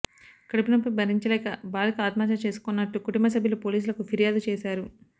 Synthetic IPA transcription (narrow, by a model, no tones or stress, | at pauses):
kɐɽupinɐp̬ːɐjbʱɐɾiɲt͡ʃɐlɛːkɐbaːlikɐaːt̪maːt͡ʃɐt͡ʃe̞ːsu̥kunːɐʈːukuʈumbɐs̬ɐbʱjɐlupo̞ːliːs̬ulɐkupʰiɾijaːd̪ut͡ʃeːsaːɾu